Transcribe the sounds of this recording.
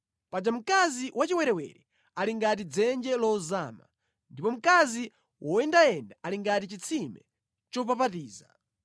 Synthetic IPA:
pad͡ʒam̩kaziwat͡ʃiwɛɾɛwɛ̰ɾɛ | aliŋɡat̬id͡zɛnd͡ʒɛlɔza̰ːma̰ | ndipɔm̩kazi | wʔɔɛndaɛndaʔaliŋɡatit͡ʃit͡sʰimɛ | t͡ʃɔp̬ap̬atiːza

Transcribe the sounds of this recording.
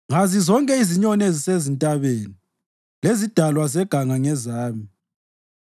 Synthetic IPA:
ŋazizɔŋkʼɛiziɲɔnezisezintʼaβeːni | lezid̥ʱalwazɛɡ̥ʱaŋaŋɛzaːmi

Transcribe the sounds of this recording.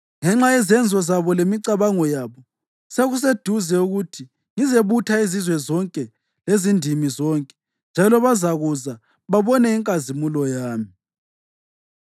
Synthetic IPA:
ŋɛŋ͡ǁaɛzɛnd͡zʱwɔzaβɔlemiǀaβaŋɔjaːβɔ | seɣus̬ed̥ʱuzɛuɣutʰi | ŋizeβutʰaizizwɛzɔŋkʼɛ | lezindʱimizɔŋkʼɛ̥ | nd͡ʒʱalɔβazaɣuza | βaβɔnɛiŋkʼazimulɔjaːmi

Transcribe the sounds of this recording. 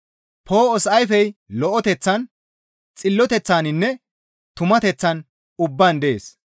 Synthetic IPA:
pʰo̞ːɔsʔɐjfɛjlɔʔɔt̪ɛt͡sːɐn | t͡sʼɪlːɔt̪ɛt͡sːaːnɪnːɛ | t̪ʊmɐt̪ɛt͡sːɐn | ʊbːaːnd̪ɛeːs

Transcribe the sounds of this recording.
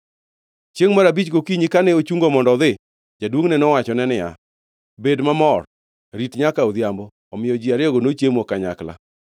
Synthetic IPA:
t͡ʃjeŋmaɾabit͡ʃɡokiɲikanɛot͡ʃuŋɡomɔndɔðɪ | d͡ʒadwoŋnɛnɔwat͡ʃɔnɛnɪa̰ | bedmamɔr | ɾitɲakaod̪jambɔːmɪjɔd͡ʒiaɾɪɔɡonot͡ʃjemokaɲa̰kla̰

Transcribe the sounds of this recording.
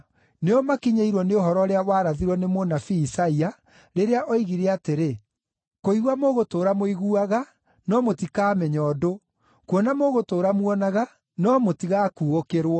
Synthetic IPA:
neɔmakiɲaiɾwɔneoɦɔɾɔɾeawaːɾaðiɾwɔnemonafiːsaia | ɾeɾeaʔɔiɣiɾeateɾe | koiɣwamoɣotoːɾamoiɣuaɣa | nɔmotikaːmɛɲɔdo | kwɔnamoɣotoːɾamwɔnaɣa | nɔmotiɣakuɣokeɾwɔ

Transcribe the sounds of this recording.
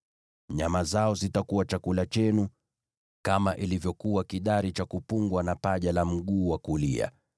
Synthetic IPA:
ɲamazaɔzitakuwat͡ʃakulat͡ʃɛnu | kamaʔilivjɔkuwakiɗaɾit͡ʃakupuŋɡwanapaʄalam̩ɠuːwakulia̰

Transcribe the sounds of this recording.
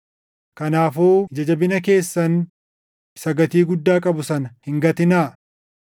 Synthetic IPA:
kɐnaːfuːd͡ʒɐd͡ʒɐbɪnɐke̞ːsːɐn | sɐɡɐt̪iːɡʊd̪ːaːkʼɐbʊsɐnɐhɪŋɡɐt̪ɪnaː

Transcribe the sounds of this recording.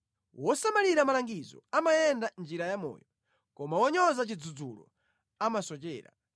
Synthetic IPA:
wɔsamaliɾamalaŋɡizɔ̰amajɛndand͡ʒiɾajamɔ̰ːjɔ | kɔmawɔɲɔzat͡ʃid͡zud͡zulɔ̰ | amasɔt͡ʃɛːɾa̰

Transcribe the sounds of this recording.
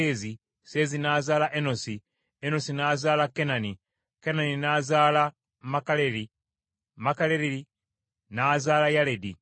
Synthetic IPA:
eːzi | seːzinazaːlaʔenosi | enosinaːzaːlakenani | kenaninazaːla | makaleɾi | makaleɾiɾi | naːzaːlajaledi

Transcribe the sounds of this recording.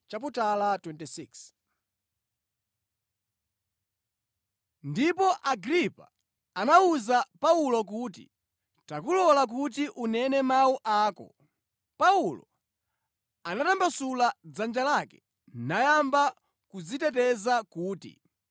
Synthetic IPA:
t͡ʃap̬utalatwɛntisiks | ndipɔʔaɡɾipa̰ | anauzapaulɔk̬utḭ | takulɔlak̬ut̬iʔunɛnɛmauʔaːkɔ̰ | paulɔ̰ | anatambasulad͡zand͡ʒalakɛ̥ | najamba | kud͡zitɛt̬ɛzakuːtḭ

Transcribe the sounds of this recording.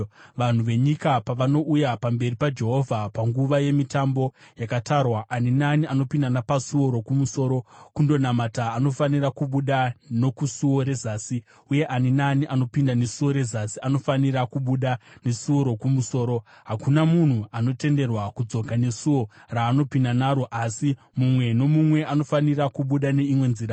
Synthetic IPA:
ʋan̤uʋe̞ɲikapaʋano̞ʔujapambe̞ripad͡ʒe̞ɦo̞vʱapaŋɡuʋaje̞mitambo̞jakatarwaʔːninaniano̞pindanapasuo̞ɾo̞kumuso̞ːɾo̞kundo̞namataːno̞fanirakuɓuɗano̞kusuwo̞ɾe̞zaːsi | uje̞ʔaninaniʔano̞pindane̞suwo̞ɾe̞zasiano̞faniɾakuɓuɗane̞suoɾo̞kumuso̞ːɾo̞ | ɦakunamun̤uano̞te̞nde̞rwakud͡zo̞kane̞suwo̞raːno̞pindanaːɾo̞ʔasi | mumwe̞no̞mumwe̞ano̞fanirakuɓuɗane̞imwe̞nzira

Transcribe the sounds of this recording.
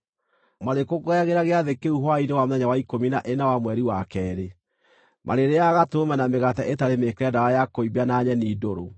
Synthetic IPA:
maɾekoɡoaɣeɾaɣeaðekeuɦwainewamoðɛɲawaikominaʔenawamwɛɾiwakɛɾe | mʔa̰ɾeɾeaɣatomanameɣataʔetaɾemekɾɛdaɾajakoibanaɲɛniːdoɾo

